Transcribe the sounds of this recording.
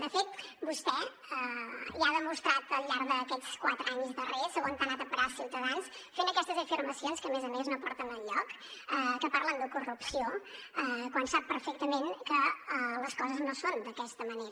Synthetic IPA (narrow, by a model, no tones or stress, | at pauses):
d̪əfet̪̚bust̪ɛ | əiaðəmust̪ɾat̪əlˠʎaɾðəkɛt͡skwat̪ɾəaɲzðəresəɣont̪anat̪əpəɾalˠsiwt̪əðansfenəkɛst̪əzəfiɾməsionskəːmezəmeznopɔɾt̪ənəʎɔk | əkəpaɾlənd̪əkurupsioɛkwansap̚ːəɾfek̚t̪əmenkələskɔzəznosond̪əkɛst̪əməneɾə